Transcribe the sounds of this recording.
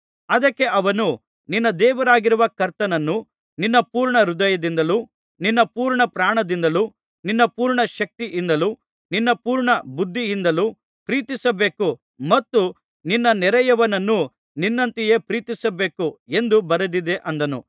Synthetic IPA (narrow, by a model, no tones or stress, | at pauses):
ɐd̪ɐkːe̞ʔɐʋɐnu | ninːɐd̪ɛːʋɐɾaːɡiɾuʋɐkɐɾt̪ɐnɐnːu | ninːɐpuːɾɳɐɾud̪ɐjɐd̪ind̪ɐlu | ninːɐpuːɾɳɐpɾaːɳɐd̪ind̪ɐlu | ninːɐpuːɾɳɐʃɐk̚t̪iʔind̪ɐlu | ninːɐpuːɾɳɐbud̪ʱːiind̪ɐlu | pɾiːt̪isɐbe̞ːku | mɐt̪ːu | ninːɐnɛɾɛjɐʋɐnɐnːu | ninːɐnt̪ije̞ːpɾiːt̪isɐbe̞ːkue̞nd̪ubɐɾɐd̪id̪e̞ʔɐnd̪ɐnṵ